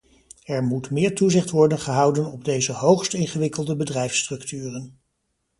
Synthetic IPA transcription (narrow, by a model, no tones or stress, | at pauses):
ɛɹmutmɪːɹtuzɪχtʋɔɹdənχəɦɑwdənɔb̚dejzəɦowχstɪnχəʋɪkəlˠdəbədrɛjfstrɵktyːrən